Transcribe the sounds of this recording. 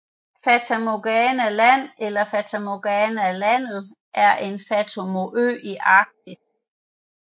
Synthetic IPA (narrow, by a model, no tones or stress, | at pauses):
fæt͡sʰæmo̝ɡ̥ɛːnælæn̰elɐfæt͡sʰæmo̝ɡ̥ɛːnælæn̰ð̩ˠ | ʔæɐʔe̝nfæt͡sʰo̝mo̝ʔø̰ːiʔɑ̈ːɡ̥̚d̥ʰis